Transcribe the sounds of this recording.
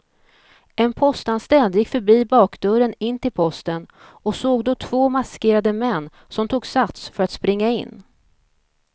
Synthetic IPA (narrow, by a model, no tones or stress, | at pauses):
ʔɛnpʰɔst̪anst̪ɛld̪jɪkːfœɾbiːbɑːkd̪ɵɾənɪnːt̪ɪlpʰɔst̪ənɔsoːɡd̪ɔt̪ʰv̥oːmaskeːɾad̪əmɛnː | sɔmt̪ʰuːɡsat̪sfœɾat̪spɾɪŋːaɪ̰nː